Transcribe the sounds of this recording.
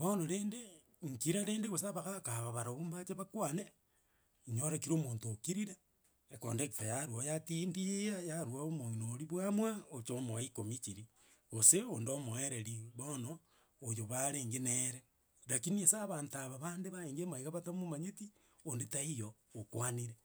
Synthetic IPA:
βonoɾeːnde | ŋkiɾaɾeːndeɣos̬aβaɣakaβaβaɾoβumbat͡ʃeβakwane | ɲoɾakiɾoːmoːntokiɾiɾe | eko̰ndekifajaɾwojatindiejajaɾwaomoinoɾiβwamwaot͡ʃomoaikomit͡ʃiɾi | ɣoseondomoeɾeɾiβonoː | joβaɾeːŋɡeneɾe | lakiniesaβaːntaβaβandeβaeːŋɡemaiɣaβatamomaɲeti | ondetaijoːkwaniɾe

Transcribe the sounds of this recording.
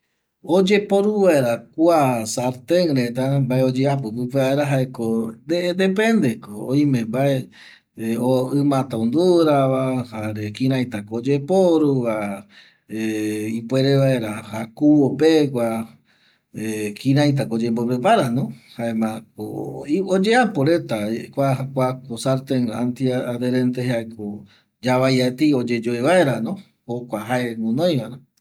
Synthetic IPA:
od͡ʒe̞poɾuʋaeɾakwasaɾt̪ẽŋɾet̪ambaeod͡ʒeap̬ɨp̬ɨpeβaeɾaɦaekod̪ed̪epẽ̞nd̪ekooĩmẽmbae | oɨmãt̪aũnd̪uɾaβahaɾekĩɾ̃ãj̃t̪akoːd͡ʒepoɾuβa | ipweɾeʋae̞ɾaakuopekʷa | ekʰĩɾãjt̪̬akod͡ʒemboɾepaɾanõhaemãkood͡ʒeapoɾe̞t̪aekʷaakʷakosaɾt̪eŋant̪iaðeɾẽnt̪eɦeaeko | d͡ʒaβajat̪iod͡ʒed͡ʒoeβaeɾanõ | hokʷaɦaeŋũnõj̃βaɾa

